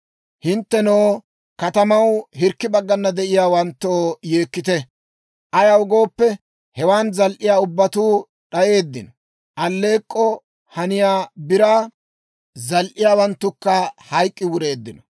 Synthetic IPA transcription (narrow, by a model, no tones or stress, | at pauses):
hɪnt̪ːɛnoː | kɐt̪ɐmɐwɦɪɾkːɪbɐɡːɐnːɐd̪ɛʔɪjaːwɐnt̪ːoːjeːkːɪt̪ɛ | ʔɐjɐwʊɡo̞ːpːɛ | hɛwaːnzɐlʔɪjaːʊbːɐt̪uː | ɗɐje̞ːd̪ːɪnɔ | ʔɐlːe̞ːkʼːɔ | hɐnɪjaːbɪɾaː | zɐlʔɪjaːwɐnt̪ːʊkːɐhɐjkʼːɪwʊɾe̞ːd̪ːɪnɔ